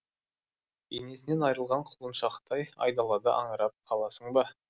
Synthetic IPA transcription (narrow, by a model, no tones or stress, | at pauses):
ene̞sɪne̞nɑjɾəlˠʁɑɴqʰʊlˠənʃɑqt̪ɑjɑ̰jd̪ɑlˠɑd̪əʔɑ̰ɴəɾɑp̚qʰɑlˠɑsəɴbɑ